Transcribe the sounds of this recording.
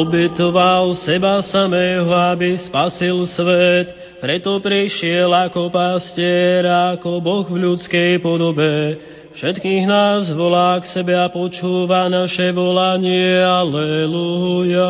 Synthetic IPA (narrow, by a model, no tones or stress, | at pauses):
ɔbɛt̪ɔʋalsɛbasamɛːɦɔabispasilsʋɛt̪ | pɾɛt̪ɔpɾiʃɪɛlakɔpascɪɛɾakɔbɔɣvʎut͡skɛjpɔd̪ɔbɛ | fʃɛt̪kiːɣnaːzʋɔlaːksɛbɛapɔt͡ʃuːʋanaʃɛʋɔlaɲɪɛalɛluɦuja